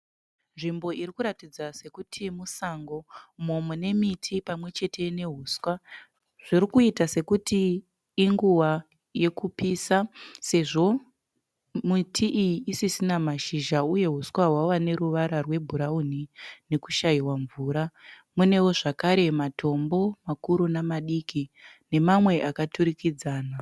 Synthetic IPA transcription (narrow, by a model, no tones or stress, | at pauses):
nʐimbo̞iɾikuɾatid͡zase̞kutʰimusaŋɡo̞momune̞mitʰipamwe̞t͡ʃe̞tʰe̞ne̞ɦuskwa | ʐ̥iɾikuitase̞kutiː | ŋɡuwa | je̞kupiːsase̞ʐo̞ | mitʰiʔijiːsisinamaʃiʒauje̞ɦuswaɦwawane̞ɾuʋaɾarwe̞bʱuɾaun̤ine̞kuʃaiwaɱvuːɾa | mune̞wo̞ʐakaɾe̞matʰo̞mbo̞makuɾunamaɗikine̞mamwe̞ʔakatuɾikid͡zaːna